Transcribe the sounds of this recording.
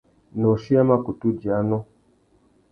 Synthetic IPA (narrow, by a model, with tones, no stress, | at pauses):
nɔ˨ʃi˦a˦ma˦ku˨tu˦d͡ʒi˨a˨˦nɔ˦